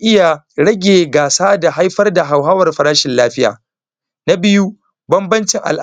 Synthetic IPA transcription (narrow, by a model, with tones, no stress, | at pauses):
ʔɪ˦ja˨ | ɽɐ˦ɡʲeː˨ɡaː˨saː˦da˨ɦa˦jɸɐ˦rda˨ɦa˨wɦa˦wɐ˨rɸɐ˨ɾaː˦ʃɪ˨nlaː˦ɸɪ˦ja̰ː˨ | na˦bɪ˦ju˦ | bɐ˦mbɐ˦nt͡ʃɪ˨ŋʔa̰˨lʔ